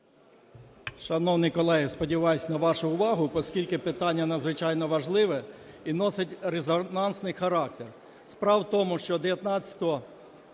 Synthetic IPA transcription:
ʃɐnɔwnɪjkɔlˠɛɦɪspɔdʲiʋɑjʊsʲnɐʋɑʃʊʊʋɑɦʊpɔskʲilʲkɪpɪt̪ɑnʲːɐnɐd̪zʋɪt͡ʃɑjnɔʋɐʒlˠɪʋɛ | inɔsʲɐtʲɾezɔnɑnsnɪjxɐɾɑk̚t̪er | spɾɑwt̪ɔmʊʃt͡ʃɔd̪eʋjɐt̪nɑt͡sʲɐ̥t̪ɔɔ

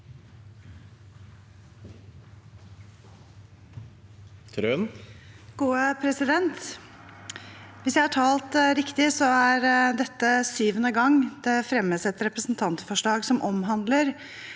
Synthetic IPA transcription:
t̪ʰɾøːnɡ̥uːəpʰɾɛsɪd̪ɛnt̪ | ʋɪsjæɪhɑʈʰɑːlt̪ɾɪkt̪ɪsɔæɾɖ̪ɛt̪ːəsyːʋənəɡɑŋd̪̥ɛfɾɛmːəsɛt̪ɾɛpɾəsn̩t̪ʰɑnt̪fɔʂɭɑːɡsɔmʔɔmɦɑnd̪ləɾ

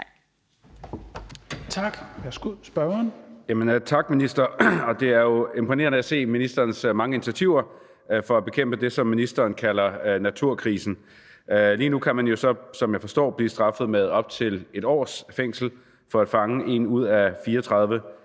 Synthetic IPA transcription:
t͡sʰɑɡ̥æsɡ̥usb̥ɶnjæmənt͡sʰɑ̈ɡ̥̚minisd̥ɐɒ̽d̥e̝æɐjo̝e̝mpʰone̝̰ːɐnəæse̝̰ːminisd̥ɐːnsmɑ̈ŋəinit͡sʰæt͡sʰiʊɐ | fɒ̽æb̥e̝kʰem̰b̥əd̥e̝sɒ̽mːinisd̥ɐːnkʰælɐnæt͡sʰuɐ̰kʰʁiːsn̩ | ʔliːnukʰæmænjo̝sɒ̽sɒ̽mjɑ̈ɪfɒ̽sd̥ɒ̰ːb̥liːsd̥ʁɑ̈fð̞̩ˠmeð̞ˠɒ̽b̥̚t͡sʰe̝le̝d̥ɒ̰ːsfeŋ̰sl̩ | fɒ̽æd̥fɑ̈ŋəʔe̝nuð̞̰ˠæfiːɐɒt͡sʰʁɑ̈ðˠʋə

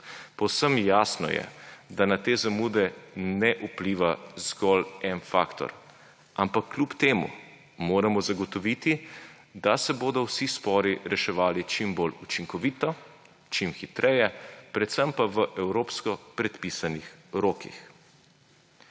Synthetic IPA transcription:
pɔwsəmjaːsnɔ̰jɛ̰d̪anat̪eːzamuːd̪ɛnɛʔupliʋazɡɔlɛnfa̰ːkt̪ɔ̰ɾ | ampakʰːlʲupt̪eːmṵ | moːɾamɔzaɡɔt̪ɔʋiːt̪i | d̪asɛboːd̪ɔwsispɔːɾiɾɛʃɛʋaːlit͡ʃimbolut͡ʃiŋkɔʋiːt̪ɔ | t͡ʃimxit̪ɾʔɛjɛpɾɛt̪səmpaʋəʔɛwɾoːpskɔpɾɛt̪pisanixɾoːkḭx

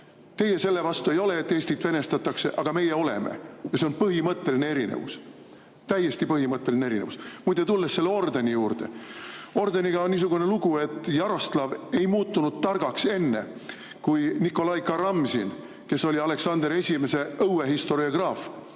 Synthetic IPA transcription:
t̪e̞je̞se̞lːe̞vɑst̪uejo̞le̞ːt̪ːe̞ːsʲt̪it̪ːˑv̥e̞ne̞st̪ɑt̪ːˑɑkse̞ʔɑɡ̥ɑme̞jeo̞lḛmḛjɑse̞o̞npɤɦimɤt̪ˑːe̞linee̞ɾinḛvṵs | t̪æjːe̞st̪ipɤhimɤt̪ːˑe̞lineeinevusmujd̪et̪ulːesːe̞lːeo̞rd̪enʲijuːrd̪̥e̞̰o̞rd̪eniɡ̥ɑo̞nnis̬uɡ̥une̞luɡ̥ue̞t̪ːˑjɑɾo̞st̪lɑve̞jmuːt̪ːunud̪̥̚t̪ɑrɡ̥ɑkse̞nːe̞̰ | kujnikːˑo̞lɑjkɑɾɑmsin | ke̞so̞lʲiɑle̞ksɑnd̪eɾe̞sʲime̞se̞ɤweɦist̪o̞ɾiɑɡ̥rɑːf

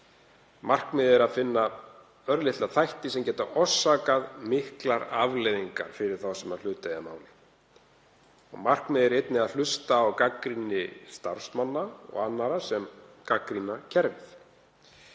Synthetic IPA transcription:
mar̥kmɪːðɪɾaðfɪnːa | œɾlɪht̪laθajht̪ɪsɛmcɛːt̪aʔɔsːaːkaðmɪhklaɾavlɛðiŋka̰ɾ̥fɪɾɪɾ̥θawsɛmaðl̥ʏːt̪ajamaːwl | ɔ̰ɣmar̥kmɪːðɪɾejt̪nɪaðlʏst̪aːwkakɾinɪst̪aɾ̥smanːaɔ̰ɣanːaɾasɛmkakɾinacʰɛɾvɪθ

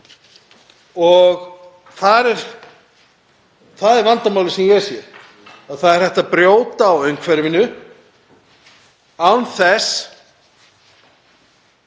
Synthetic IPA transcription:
ɔɣ | θaɾɛɾ̥ | θaðɛɾvant̪amawlɪsɛmjɛsjɛ | aðθaðɛɾ̥hɛht̪apɾjoːwt̪aːwœɥŋkʰvɛɾvɪnʏ | awnθɛs

